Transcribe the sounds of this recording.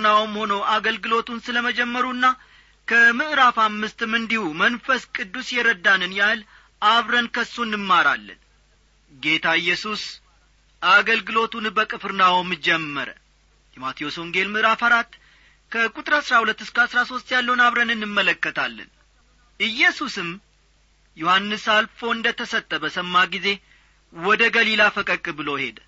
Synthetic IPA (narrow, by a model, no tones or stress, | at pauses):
nawmho̞nəwʔaɡəlɡɨlo̞t̪unsɨləməd͡ʒɛmːəɾunːa | kʰəmɨʔɾafamːɨst̪ɨmɨnd̪ihumənfəskʼɨd̪ːusjɛɾəd̪ːanɨnjahɨl | ʔaβɾənkʰəsːunːɨmːaɾa̰lːə̰n | ɡe̞t̪ʰaɨjːɛsus | ʔaɡəlɡɨlo̞t̪unbəkʼɨfɨɾnawmɨd͡ʒɛmːəɾə̰ | jɛmat̪ʰijo̞soŋɡe̞lmɨɾafəɾat̪ | kʰəkʼut̪ʼɨɾasɾahulət̪ːɨskəasɾaso̞st̪jalːəwunaβɾənɨnːɨmːələkːət̪ʰalːə̰n | ʔɨjːɛsusɨm | johanːɨsalfo̞ɨnd̪ət̪ʰəsət̪ʼːəbəsəmːaɡize̞ | wɔd̪əɡəlilafəkʼəkʼɨbɨlo̞he̞d̪